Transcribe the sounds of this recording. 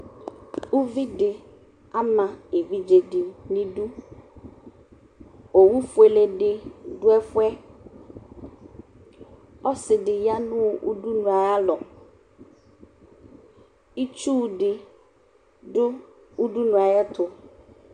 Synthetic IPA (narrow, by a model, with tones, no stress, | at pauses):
u˦vi˦ɖɪ˨ | a˦mã˨e˨vi˦d͡ʒe˨di˨nĩ˦ɖu˦ | o˨wu˦fʊ˨˦e˨le˨ɖɪ˨ɖʊ˦ɛ˦fʊ˦ɛ˦ | ɔ˦sɪ˨ɖɪ˨ja˦nʊ̃˦˨ʔṵ˦ɖu˦nũ˨a˨ja˦lɔ˨ | i˦t͡ʃu˦˨ɖɪ˨ | ɖʊ˦ | u˦ɖu˦nũ˨a˨ja˦t̪ʊ˨